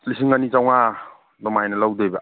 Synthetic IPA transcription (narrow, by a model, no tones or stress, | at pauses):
slisiŋanit͡ʃawŋa | nɔmajnɐlawdɔjba